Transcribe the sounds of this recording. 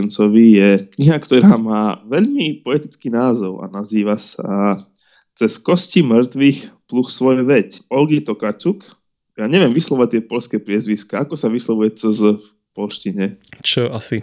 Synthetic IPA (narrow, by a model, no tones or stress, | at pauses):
nt͡sɔʋijɛkɲiɦakt̪ɔɾaːmaːʋɛʎmipɔɛt̪it͡skiːnaːzɔʊa̰naziːʋasa | t͡sɛskɔscimr̩t̪ʋixpluxsʋɔɛʋɛcɔlɡit̪ɔkat͡ʃuk | jaːɲɛʋɪɛmʋislɔʋʋat̪ɪɛpɔʎskɛːpɾɪɛzʋiskaakɔsaʋislɔʋujɛt͡səzəf | pɔlʃciɲɛt͡ʃɔasi